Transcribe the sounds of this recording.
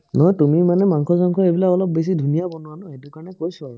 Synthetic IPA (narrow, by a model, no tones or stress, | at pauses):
nɔjtumimanɛmaŋkʰɔsɔŋkʰɔejbilaɔlɔp̚bes̬idʱunijabɔnʊwanɔetukaɹnɛkojsɔaɹu